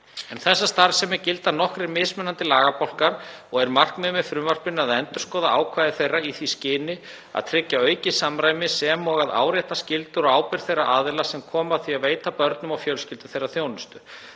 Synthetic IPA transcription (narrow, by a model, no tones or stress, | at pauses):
ɛnθɛsːast̪aɾsɛmɛcɪlt̪anɔhkɾɪɾmɪðsmɛnant̪ɪlaːɣapowl̥kaɾ | ɔɣɛɾmar̥kmɛðmɛðfɾʏmvar̥pɪnaðɛnt̪ʏɾ̥skɔːðaʔaːwkʰvaːjðɪθejraiθviscɪːnɪ | a̰ðt̪ʰɾɪcːaœːɥcɪsamɾaːjmɪsɛmɔɣaða̰ːwɾɛjht̪ascɪlt̪ʏɾɔɣaːwpɪɾ̥θejra̰ʔaːðɪlasɛmkʰɔːmaθviaðveːjt̪apœɾt̪nʏmawfjœlscɪlt̪ʏθejrːaθjownʏst̪ʏ